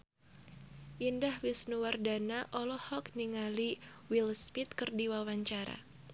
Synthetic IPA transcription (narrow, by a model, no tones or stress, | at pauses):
ʔindahwisnuwardanaʔɔlɔhɔkniŋali | wilspit̪kɨrdiwawaɲt͡ʃaɾa̰